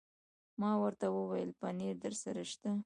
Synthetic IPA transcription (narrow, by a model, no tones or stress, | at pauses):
mɑwəɾt̪awəwajəlpaneɾd̪əɾsaɾaʃt̪a